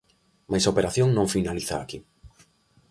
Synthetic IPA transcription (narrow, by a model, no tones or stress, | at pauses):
majsaopeɾaθjoŋnõɱfinaliθa̰ːki